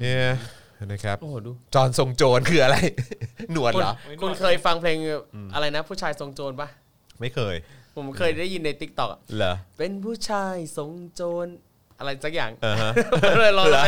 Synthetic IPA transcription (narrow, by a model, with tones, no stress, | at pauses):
ni˦˥˩ | na˧˩kʰɾa˦˥p̚ʔoː˧˩duː˧t͡ɕɔː˧nso˧ŋt͡ɕoː˧nkʰɯː˧ʔa˧ɾa˧jnu˨˩ənu˧lɔ̰˨˦kʰu˧nkʰɤː˧jfa˧ŋpʰleː˧ŋ˧ʔa˧ɾa˧jna˦˥pʰuː˥˩t͡ɕʰaː˧jso˧ŋt͡ɕoː˧nba˦˥˩ | ma˥˩jkʰɤː˧jpʰo˨˩˦mkʰɤː˧jdaː˥˩jːi˧nːa˧jt̪i˦˥k̚t̪ɔ˨˩k̚a˨˩lɛ˦pe˧npʰuː˥˩t͡ɕʰaː˧jso˧ŋt͡ɕoː˧n | ʔa˧ɾa˧jsaː˦˥k̚jaː˨˩ŋaː˧˩ɦa˦˥m˥˩lɤː˧jlɔː˦˥˧